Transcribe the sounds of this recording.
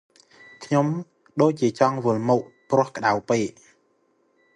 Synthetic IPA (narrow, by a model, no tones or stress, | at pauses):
kʰɲom | ɗoːc̚t͡ɕiət͡ɕɑŋʋɨəlmoːʔ̚prŏəhkə̆ɗawpeːʔ